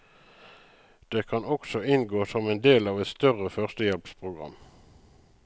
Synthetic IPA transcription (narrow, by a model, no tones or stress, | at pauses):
d̪̥eːkʰɑnɔksɔɪnɡoːsɔmeːnd̪eːlɑːʋɛt̪st̪œʁəfœʁst̪əjɛlpspʰʁʊɡʁɑ̰m